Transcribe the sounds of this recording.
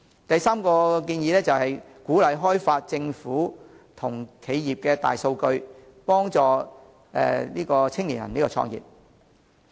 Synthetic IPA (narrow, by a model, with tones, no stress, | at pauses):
t̪ɐ˨jsaː˥mkɔː˧kiː˧njiː˨˧lɛː˥t͡sɐ˨whɐ˨j | kuː˨˥lɐ˨˥jɦɔː˥jfaː˧t̚t͡sɪ˧ŋfuː˨˥ | t̪ʰʊ˨˩ŋkʰe˨˧jjiː˨p̚kɛː˧t̪a̰ː˨jso˧wkɵ˧ɥpɔː˥ŋt͡sɔː˨˧ | ɛ̰ː˨liː˥kɔː˧t͡sʰɪ˥ŋliː˨˩njɐ̰˨˩nliː˥kɔː˧t͡sʰɔ̰ː˧ŋjḭ˨p̚